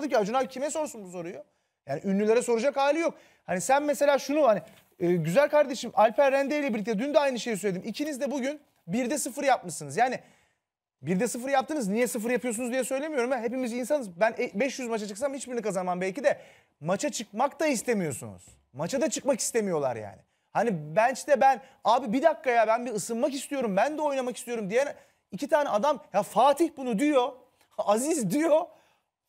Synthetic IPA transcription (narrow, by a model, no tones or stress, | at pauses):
d̪ɯciad͡ʒunabcʰimɛso̞ɾsunbuso̞ɾuju | jaːniʔynlʲylʲeɾɛso̞ɾud͡ʒakhaːilʲijo̞k̚ | hanisænmese̞lʲaːʃunuhani | ɯːɟyzælʲkʰaɾd̪e̞ʃimalʲpʰæɾːænd̪ejilʲɛbiɾlʲic̚t̪ɛd̪ynd̪ɛajnɯʃe̞jis̬øjlʲeimicʰinizd̪ɛbuɟyn | biɾd̪ɛsɯfɯɾjapmɯʃsɯnɯzjaːni | biɾd̪ɛsɯfɯɾjap̚t̪ʰɯːnɯznijɛsɯf̬ɯɾjapɯjos̬unzd̪ijɛsø̞jlʲe̞mijo̞ɾumvɛɦe̞pimizinsanɯzbænɛbɛʃjyzmat͡ʃʰat͡ʃʰɯ̥ksamhit͡ʃbiɾinikʰazanmanbɛlʲcid̪ɛ | mat͡ʃʰat͡ʃʰɯk̚makt̪aist̪e̞mijo̞sunṵz̥ | mat͡ʃʰad̪at͡ʃʰɯkmaki̥st̪ʰe̞mijo̞lˠa̰ɾja̰ːnɪ | hanibænt͡ʃt̪ɛbænaːbibid̪akːajabænbiɯsɯnmakist̪ijo̞ɾumbænd̪ɛo̞jnamakist̪ijo̞ɾumd̪ijɛn | icʰit̪ʰaːnɛad̪amjafaːt̪ʰiçbunud̪ijo̞ | azizd̪ijo̞